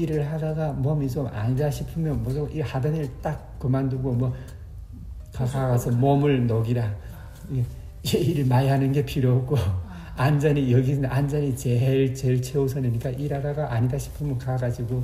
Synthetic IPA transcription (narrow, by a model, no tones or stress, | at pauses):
iɾɯɭhaɡaɡamʌmit͡ɕoma̰ɲidaɕʰipʰɯmjʌnmwʌd͡ʑoʔihadanɯɭt͈ak̚kɯmanduɡomwʌ | kakaɡasʰʌmʌmɯɭnʌɡiɾa | d͡ʑeiɾɯɭmaiɦanɯnɡe̞pʰiɾjʌko | and͡ʑʌɲijʌɡindʔand͡ʑʌɲit͡ɕeɭt͡ɕeɭt͡ɕʰeosʰʌneɲik͈aʔiɾaɡaɡaʔaɲidaɕʰi̥pʰɯmjʌnkaɡad͡ʑiɡo